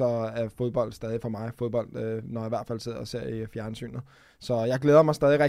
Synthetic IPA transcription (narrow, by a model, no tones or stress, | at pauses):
ɒ̽æɐfo̝ð̞ˠb̥ɒ̽l̰d̥sd̥ɛːð̞ˠifɒ̽mɑ̈ɪfo̝ðˠb̥ɒ̽l̰d̥ønɒjɑ̈iʋæɐ̰d̥fæl̰se̝ð̞̰ˠɒ̽se̝ɐ̰ifjæɐnəsy̰ːnə | sɒ̽jɑ̈ɪɡ̥leːðˠɐmɑ̈ɪsd̥ɛːðˠiʁɛ